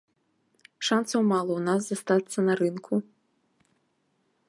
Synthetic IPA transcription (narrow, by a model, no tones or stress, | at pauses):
ʂantsɐwmalˠɐwnazːast̪at̪sːɐnɐɾɨnkʰu